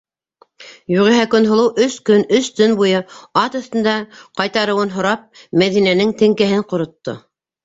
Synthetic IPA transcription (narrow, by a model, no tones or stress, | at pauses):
juʁɘ̆ɦækɵnɦŏlˠɤwʔɵskɵnɵst̪ɵnbujɤɑt̪ɑ̆θt̪ɤ̆nd̪ɑqɑjt̪ɑɾɤ̆wɤnɦŏɾɑp̚mæðinænɘŋt̪ɘ̆ŋkæɦɘɴqŏɾŏt̪ːo̰